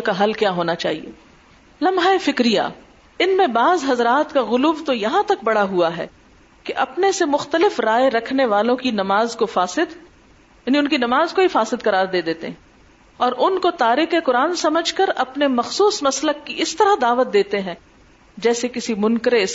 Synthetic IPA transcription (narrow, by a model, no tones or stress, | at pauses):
lkaɦɐlkjaːɦoːnat͡ʃa̰ːɦḭḛː | lɐmɦaːefɪkɾija̰ː | ɪnmẽbaːzɦɐzɾaːt̪kaɣʊluːʋt̪ojɐɦãt̪ɐk̚bɐɽaɦuaɦɛ̰ː | keʔɐpnesemʊxt̪əlɪfɾaːeɾɐkʰneʋaːlõkinɐmaːzkofaːsɪd̪ | jaːniʊnkinɐmaːzkoifaːsɪd̪̚kɐɾaːɾd̪eːd̪eːt̪ḛɦɛ̃ | ɔːɾʔʊnkot̪aːɾɪkekʊɾaːnsɐməd͡ʒʱkɐɾɐpnemɐxsuːsmɐsləkːiɪst̪ɐɾad̪aːʋət̪̚d̪eːt̪eɦɛ̃ː | d͡ʒɛːsekɪsimʊ̃nkɾeɪs